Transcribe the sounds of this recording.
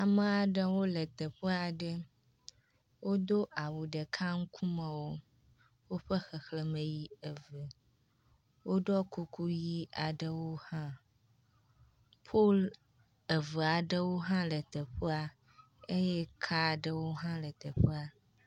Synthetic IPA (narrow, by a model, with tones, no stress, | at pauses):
a˨mə̃˦a˨ɖə˦wo˦lə˨t̪ə˨ɸə˦a˨ɖə˦ | wʔo˦d̪o˦ʔa˨wu˨ɖə˨kʰa˦ŋ̩˦kʰu˦mə̃˨wo˦ | wo˦ɸə˦xə˨xlə˨mə̃˨ji˦ə˨və˨ | wʔo˦ɖɔ˦ku˦ku˦ji˦a˨ɖə˦wo˦hã˦ | pʰo˦l | ə˨və˨a˨ɖə˦wo˦ɦã˦lə˨t̪ə˨ɸə˦a˨ | e˦je˦kʰa˦˨ɖə˦wo˦ɦã˦lə˨t̪ə˨ɸə˦a˨